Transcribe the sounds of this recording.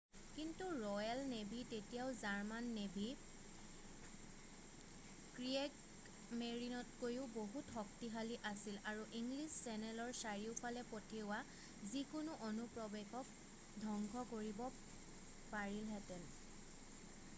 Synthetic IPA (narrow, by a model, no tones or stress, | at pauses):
kintuɹɔjalnebʱitetijaʊzaɹmanːebʱi | kɹiek | meɹinɔtkojʊboɦutxɔk̚tiɦaliʔasilaɹuʔiŋɡlisːɛnɛlɔɹsaɹiʊpʰalɛpotʰiʊwa | zikʊnʊʔonupɹɔbɛɡɔk | dʱɔŋɡʱɔkoɹibɔ | paɹilɦɛtɛn